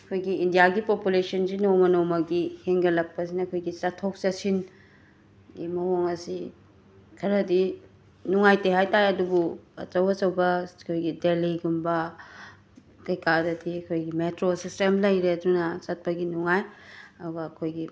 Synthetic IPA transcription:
ɐkʰojɡiːndijaɡipopulesɐnzinomɐnomɐɡiheŋɡɐlɐk̚pɐs̬inɐkʰojɡit͡ʃɐtʰːok̚t͡ʃɐsin | ɡimɐhoŋɐsi | kʰɐɾɐdi | nuŋajteɦajtajɐdubuɐ̰t͡ʃɐwɐt͡ʃɐwbɐkʰojɡideliɡumbɐ | kɐjkadɐdiɐkʰojɡimetɾosistemlɐjɾeɐdunɐt͡ʃɐt̚pɐɡinuŋajɐduɡɐːkʰojɡi

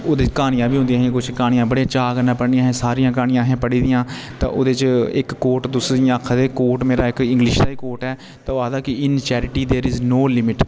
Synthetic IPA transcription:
oːd̪eːt͡ʃkaːñɪjãːbiːʊ̃nd̪iãːɦːkʊt͡ʃʰkaːñɪjãːbəɽeãːt͡ʃaːɡənãːpəɽnijãːɦɛ̃ːsaːɾijãːkaːɽ̃ɪjãːɦɛ̃ːpəɽiːd̪ɪjãːt̪ã̰ːʔo̰ːd̪eːt͡ʃɪkːoːɾʈd̪ʊsd̪ijãkʰad̪eːkoːʈmeːɾaːɪkɪ̃ŋɡlɪʃd̪aːɪkoːʈɛː | t̪ãaːd̪aːkɪɪnt͡ʃɛːɾɪʈiːd̪eːɾɪznoːlɪmɪʈ

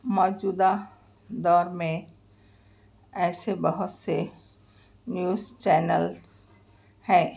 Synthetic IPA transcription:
mɔːd͡ʒuːd̪a | d̪ɔːɾmẽ | ɛːsebəɦʊt̪se | njuːzt͡ʃɛːnəl | hɛː

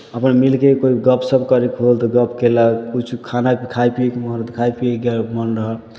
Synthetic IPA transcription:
əpnmilkekoiɡəpʰsəbkəɾikɦolt̪ɔɡəpʰkelakut͡ʃʰukʰanapkʰajpiekemənɾt̪kʰajpieɡelmənɾəɦəl

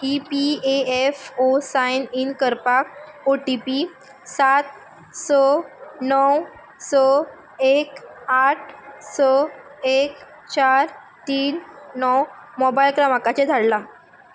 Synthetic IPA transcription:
ipieefosajninkəɾpak̚ | oʈipi | sat̪̚ | sənɔw | sə | ekaʈʰsəek̚ | t͡ɕaɾ | t̪iːnːɔwmɔbajlkɾamakat͡ɕed̪ʱaɽla

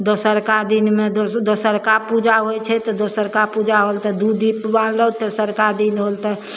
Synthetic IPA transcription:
d̪osəɾkad̪inmed̪od̪osəɾkapud͡ʒaɦojt͡ʃʰɛt̪ɔd̪osəɾkapud͡ʒaɦolt̪ɔd̪ud̪ipbanlət̪ɔsəɾkad̪inɦolt̪ɛ

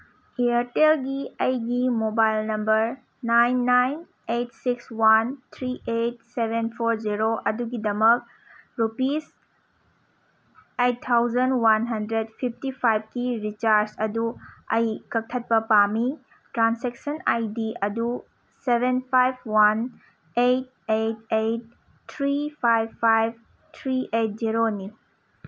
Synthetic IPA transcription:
iɐɾtelɡiɐjɡimobajlnɐmbɐɾ | najnːajn | etsikswant̪ʰɾiʔet̚sebʱenpʰoɾziɾoʔɐduɡidɐmɐk̚ | ɾupis | etʰːawzɐnwanɦɐndɾed̚pʰip̚ʰtipʰajb̚ʰkiɾit͡ʃaɾsɐduɐjkɐk̚tʰɐt̚pɐpami | tɾanseksɐnajdiɐdu | sebʱenpʰajb̚ʰwan | ejt̚etejt̚ːʰ | ɾipʰajbpʰːajb̚ | tʰɾiʔet̚ziɾoni

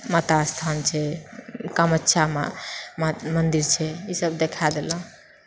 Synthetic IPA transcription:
mat̪ast̪ʰant͡ʃʰɛkəmətːʃʰama̰mmənd̪iɾt͡ʃʰɛisəbd̪ekʰad̪el̃

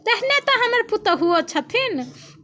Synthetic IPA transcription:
t̪eɦnet̪ɔɦəməɾput̪əɦuɔt͡ʃʰət̪ʰin

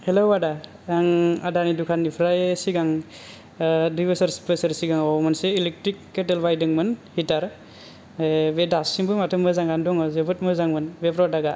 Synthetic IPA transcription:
helobada | aŋadanidukʰanːipʰɾajsiɡaŋ | dujbɯsaɾspɯsɯɾsiɡaŋɔmɯnseilek̚tɾikːetelbajdɯŋmɯnhitaɾ | bedasiŋbɯmatʰɯmɯzaŋɡandɔŋɔzebɯt̚mɯzaŋmɯnbepʰɾɔdaɡa

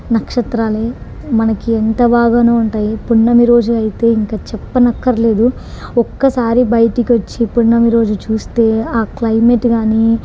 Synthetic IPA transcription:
nɐkʂɐt̪ɾaːleː | mɐnɐkiɛnt̪ɐbaːɡaːneːuɳʈaːjipuɳːɐmiɾo̞ːd͡ʒuɐjit̪e̞ːiŋkaːt͡ʃɛpːɐnɐkːɐɾle̞ːd̪u | ɔkːɐsaːɾibɐjʈikiʋot͡ʃːipuɳːɐmiɾo̞ːd͡ʒut͡ʃuːst̪e̞ːaːklɐjmeʈɡaːni

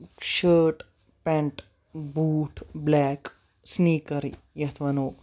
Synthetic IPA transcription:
ɕəɾʈ | pɛ̃ɳʈ | buːʈʰblɛk | sniːkɐɾḭ | jɐt̪ʰʋɐnoː

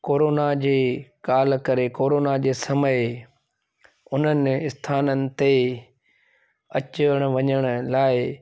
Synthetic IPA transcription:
koːɾoːnad͡ʑeːkaːlkɐɾekoːɾoːnad͡ʑeːsɐməɪ | ʊn̤ənɪ̆ɪst̪ʰaːnənɪ̆t̪e | ɐt͡ɕəəɽ̃ʊʋɐɲəɽ̃ʊlaːɪ

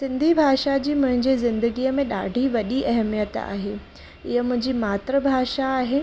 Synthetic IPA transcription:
sɪ̃nd̪ʱibʱaːʃad͡ʑiːmʊ̃ɦɪ̃ɲd͡ʑezɪ̃nd̪əɡiəmẽɗa̰ːɖʱiʋɐɗiʔɐɦmijət̪a̰ːɦeː | ɪɦəmʊ̃ɦɪ̃ɲd͡ʑimaːt̪ɾəbʱaːʃaːɦe

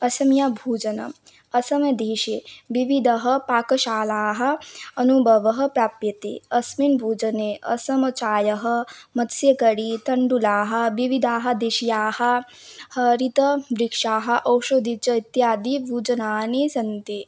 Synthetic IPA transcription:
ɐsɐmjabʱuːd͡ʒɐnɐ̰ | ɐsɐmɐd̪iːʃeʋiʋid̪ʱɐɦɐpaːkɐʃaːlaːɦɐ̆ɐnubʱɐʋɐɦɐpɾaːpjɐt̪ḭɐsminbʱuːd͡ʒɐneʔɐ̰sɐmɐt͡ʃaːjɐɦɐmɐt̪sjɐkɐɽit̪ɐɳɖulaːɦɐ̆ʋiʋid̪ʱaːɦɐ̆d̪eʃijaːhɐ̆ | hɐɾit̪ɐbɾikʂaːɦɐ̆ʔɐwʃod̪ʱit͡ʃɐit̪jaːd̪ibʱuːd͡ʒɐnaːnesɐnt̪i

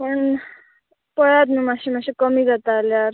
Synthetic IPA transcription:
pəɳ | pəjad̪numaɕimaɕekəmiɡat̪aljaɾ

